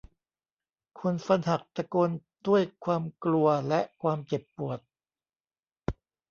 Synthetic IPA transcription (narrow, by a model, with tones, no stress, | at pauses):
kʰu˧nfa˧nɦa˨˩k̚pɾa˧ko˧ndu˥˩əjkʰwaː˧mklu˧ɐlɛ˦˥ʔkʰwaː˧mt͡ɕe˨˩pːu˨˩ət̪̚